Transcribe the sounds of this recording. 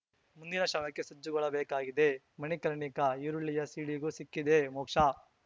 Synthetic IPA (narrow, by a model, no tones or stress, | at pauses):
mund̪inɐʃɐːʋɐkːesɐd͡ʒːuɡɔɭɐbeːkaːɡid̪e̞ | mɐnikɐɾɳikɐiɾuɭːijɐsiːɽiɡuːsikːid̪emoːkʂa